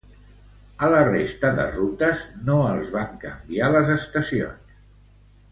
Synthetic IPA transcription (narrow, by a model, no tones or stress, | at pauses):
ələrest̪əðə̰rut̪əznoəlˠzβaŋkəmbialəzəst̪əsio̰ns